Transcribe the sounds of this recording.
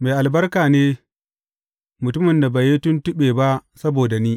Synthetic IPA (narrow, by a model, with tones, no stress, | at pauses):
meː˨ʔa˨lbɐ˦rkaː˨neː˦ | mʊ˨tʊ˦mɪ˨nda˨ba˨je˦tʊ˦ntɪ˦ɓeː˨ba˦ʔsɐ˦boː˨da˨niː˦